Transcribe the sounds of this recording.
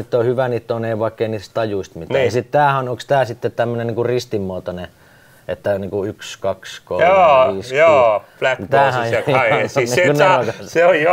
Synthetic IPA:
it̪ːohyʋæniːt̪ːoˑneːʋɑˑikːeiniːtst̪ɑjuist̪mit̪ˑːjɑsit̪t̪æːhænoŋkst̪æːsit̪ːet̪t̪æmːøneniːŋkurist̪imːoːt̪one | et̪ːæniːŋkuykskɑksko̰oːʋiːsjɑflæknt̪æːhæjjnikunekɑsseojjo

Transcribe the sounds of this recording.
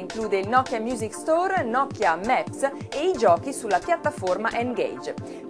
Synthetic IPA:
iŋkluːd̪eilnɔkːjamjuːzikst̪ɔrnɔkːjamɛps | eid͡ʒɔːkisulːapjat̪ːaformaʔɛŋɡḛjd͡ʒ

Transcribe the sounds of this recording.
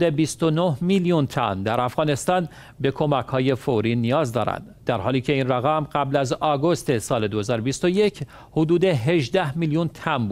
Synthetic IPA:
d̪ebist̪onohmiljunt̪ʰæ̰nd̪æɾæfɣɒːne̞st̪ɒːn | be̞kʰo̞mækʰhɒːje̞foɾiːnijɒːzd̪ɒːɾæ̰nd̪̥d̪æɾhɒːliːcʰe̞iːnræɣæmɢæblæzɒːɡost̪e̞sɒːle̞d̪ohezɒːɾobist̪o̞je̞cʰ | hod̪uːd̪eɦe̞ʒd̪æhmiljunt̪ʰænbu

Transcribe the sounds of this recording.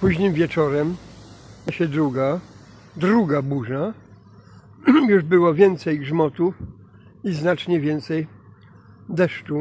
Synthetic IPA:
puʑɲimvʲjɛt͡ʂɔɾɛm | ɕɛd̪ɾuɡa | d̪ɾuɡabuʐa | juʐbɘwɔvʲjɛnt̪sɛjɡʐmɔt̪uf | iznat͡ʂɲɛvʲjɛnt̪sɛj | d̪ɛʂt͡ʂu

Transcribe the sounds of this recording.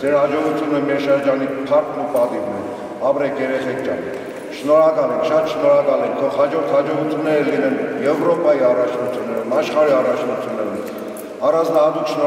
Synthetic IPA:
d͡zɛɾhɑd͡ʒɔʁut̪ʰjunəmɛɾʃəɾd͡ʒɑnip̪ʰɑɾt̪ʰupɑd̪ivnɛ | ɑpɾɛkʰjɛɾɛχɛkʰjɑ̰n | ʃnɔɾɑkɑlɛŋkʃɑt̪ʃnɔɾɑkɑlɛŋk̚t̪ʰɔχhɑd͡ʒɔɾt̪ʰhɑd͡ʒɔʁut͡s̪ʰjunːɛɾəlinɛnjɛvɾɔpɑjiɑrɑt͡ʃʰnut͡s̪ʰjunːɛɾumɑʃχɑɾiɑrɑt͡ʃʰnut͡s̪ʰjunːɛɾum | ɑrɑnd͡znɑɦɑt̪ukʃnɔ

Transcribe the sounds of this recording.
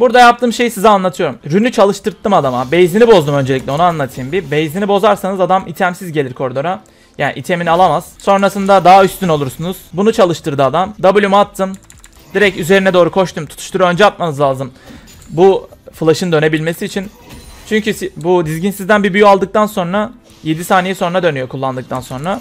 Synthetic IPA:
buɾd̪ajap̚t̪ʰɯːmʃe̞jisizɛanlˠat̪ʰɯjo̞ɾumɾynyt͡ʃʰalˠɯʃt̪ʰɯɾt̪ʰːɯmad̪amabejizinibo̞zd̪umø̞nd͡ʒelʲiclʲɛo̞nuanlˠat̪ʰɯjɯmbibejizinibo̞zaɾsanɯzad̪amit̪ʰæmsizɟelʲiɾkʰo̞ɾd̪o̞ɾa | jaːniʔit̪ʰeminalˠamaz̥so̞nɾasɯnd̪ad̪ayst̪yno̞lˠuɾsunuz̥bunut͡ʃʰalˠɯʃt̪ʰɯɾd̪ɯad̪amd̪abulʲumat̪ʰːɯm | d̪iɾɛcyze̞ɾinɛd̪o̞ːɾukʰo̞ʃt̪ʰumt̪ʰu̥t̪ʰu̥ʃt̪ʰuɾø̞nd͡ʒɛat̪̚manɯzlˠaːzɯm | bufɯlˠaʃɯnd̪ø̞ne̞bilʲme̞siːt͡ʃʰint͡ʃʰyɲcybud̪izɟinsizd̪ænbibyjyalˠd̪ɯk̚t̪ʰanso̞nɾa | je̞d̪isaːnejiso̞nɾad̪ø̞nyjo̞kʰulˠːand̪ɯk̚t̪ʰanso̞nɾa

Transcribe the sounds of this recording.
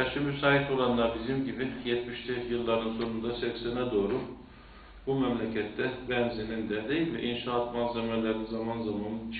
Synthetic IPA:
aʃɯbysaːɦit̪o̞lˠanlˠaɾbizimɟibijɛt̪miʃlʲijɯlˠːaɾɯnso̞nund̪asɛcsɛnɛd̪o̞ːɾu | bumɛmlʲɛcʰɛt̪ːɛbɛnzinind̪ɛd̪ejvɛ̰ʔinʃaːt̪manzɛmɛlʲɛɾinzamanzamant͡ʃʰ

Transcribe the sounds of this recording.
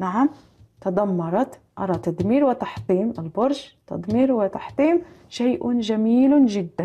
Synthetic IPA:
naʕam | t̪ad̪amːɑɾˤɑt̪ | ʔɑ̰ɾˤɑt̪ad̪miːɾwɪt̪aħt̪ˤiːmɪlbʊɾˤʒt̪a̰d̪miːɾwɪt̪aħt̪ˤiːmʃajʔʊʒamiːlʒɪd̪ːa

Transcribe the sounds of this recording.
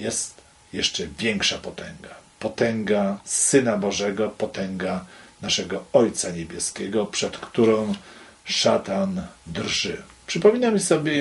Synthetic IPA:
jɛst̪ | jɛʂt͡ʂɛvʲjɛŋkʂapɔt̪ɛŋɡapɔt̪ɛŋɡasɘnabɔʐɛɡɔpɔt̪ɛŋɡanaʂɛɡɔɔjt̪saɲɛbʲjɛskʲɛɡɔpʂɛt̪kt̪uɾɔ̃w̃ | ʂat̪and̪rʐɘpʂɘpɔmʲinamʲsɔbʲjɛ

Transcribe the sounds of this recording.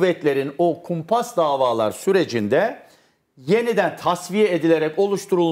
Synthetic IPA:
vːɛt̪lʲe̞ɾinokʰumpʰasd̪aːvaːlˠa̰ɾsyɾe̞d͡ʒind̪ɛ | je̞nid̪ænt̪ʰasvijeed̪ilʲe̞ɾɛco̞lˠuʃt̪ʰuɾulˠ

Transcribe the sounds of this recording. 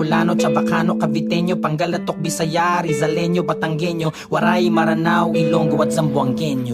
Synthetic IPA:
ʊlaːnot͡ʃɐbɐkanokɐvɪt̪ɛɲjopɐŋɡalɐt̪ːok̚bɪsɐjaɾizɐlɛɲjobɐt̪ɐŋɡɛɲjo | wɐɾajimɐɾɐnawʔɪloŋɡʊwɐt̪̚sɐmbʊɐŋɡɛɲjo

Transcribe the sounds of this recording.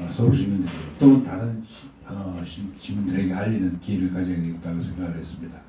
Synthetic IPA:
ʌsʰʌɾoɕimundɯɾiot͈oɯntaɾɯnɕi | ʌɕiɕimundɯɾe̞ɡe̞ɦaʎːinɯnkiɾɯɭkad͡ʑianek̚t͈aɡosʰe̞ŋɡaɡɯɭɦe̞s͈ɯmɲida

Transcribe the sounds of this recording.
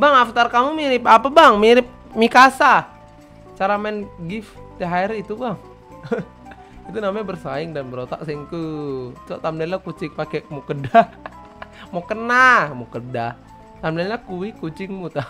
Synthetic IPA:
baŋaft̪arkamumiɾɪp̚apabaŋmiɾɪp̚mikasa | t͡ʃaɾamanɡift̪ɛɦaɛɾit̪ubaŋ | it̪unamaɲbərsaɪŋdanbəɾot̪a̰ʔsaŋk̪ut͡ʃɔʔt̪amlalakut͡ʃɪŋpakɛʔmukəda | mɔkənamukəda | t̪amlalakuikut͡ʃɪŋmut̪a

